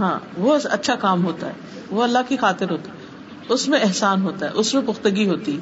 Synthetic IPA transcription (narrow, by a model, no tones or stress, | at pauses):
ɦã̰ːʋoɐ̰tːʃʰakaːmɦoːt̪aɦɛː | ʋoɐlːaɦkixaːt̪ɪɾɦoːt̪aɦɛ | ʊsmẽɛɦsaːnɦoːt̪aɦɛ̰ːʔʊsmẽpʊxt̪əɡiɦoːt̪iɦɛː